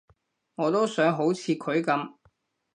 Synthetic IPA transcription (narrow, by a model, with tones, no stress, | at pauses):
ŋɔː˨˧t̪o˥wsœː˨˥ŋɦo˨˥wt͡sʰiː˨˧kʰɵ˨˥ɥkɐ˨˧m